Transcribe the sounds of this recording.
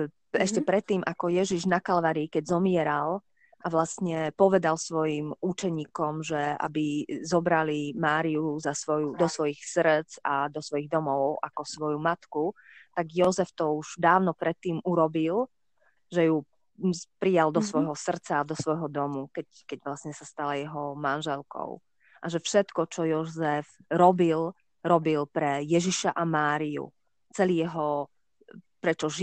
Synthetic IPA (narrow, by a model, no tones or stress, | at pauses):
ɛʃcɛpɾɛt̪ːiːmʔakɔjɛʒiʒnakalʋaɾiːkɛɟzɔmɪɛɾal | ʔaʋlasɲɛpɔʋɛd̪alsʋɔjimut͡ʃɛɲiːkɔmʒɛa̰bizɔbɾalimaːɾiuzasʋɔjud̪ɔsʋɔjixsr̩t͡sad̪ɔsʋɔjiɣd̪ɔmɔʊa̰kɔsʋɔjumat̪ku | t̪aɡjɔzɛft̪ɔuʒ̥d̪aːʊnɔpɾɛt̪ːiːmuɾɔbil | ʒɛju | pɾijald̪ɔsʋɔjɦɔsr̩t͡saːd̪ɔsʋɔjɦɔd̪ɔmukɛ | kɛɟʋlasɲɛsast̪alajɛɦɔmanʒɛlkɔ̰ʊ | ʔaʒɛfʃɛt̪kɔt͡ʃɔjɔzɛfɾɔbil | ɾɔbilpɾɛjɛʒiʃaʔamaːɾiṵ | t͡sɛliːjɛɦɔ | pɾɛt͡ʃɔʒ